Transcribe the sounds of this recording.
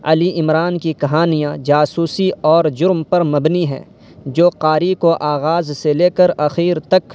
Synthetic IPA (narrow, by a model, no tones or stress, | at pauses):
ɐliʔɪmɾaːnkikɐɦaːnijãd͡ʒaːsuːsiɔːɾd͡ʒʊɾmpɐɾmɐbniɦɛ̰̃ː | d͡ʒoːqaːɾikoʔaːɣaːzseleːkəɾɐxiːɾt̪ɐk